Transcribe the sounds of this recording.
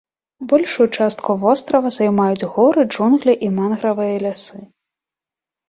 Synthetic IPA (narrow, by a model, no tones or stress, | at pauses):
bɔlʲʂujut͡ʂast̪kuvɔst̪ɾɐvɐzajmajud͡zʲɣɔɾɨd͡ʐunɣlʲiʔimanɣɾɐvɨjɐlʲasɨ